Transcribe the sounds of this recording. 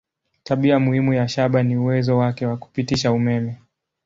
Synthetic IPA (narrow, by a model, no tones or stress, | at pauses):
taɓiamuhimujaʃaɓaniuwɛzɔwakɛwaku̥pitiʃaumɛmɛ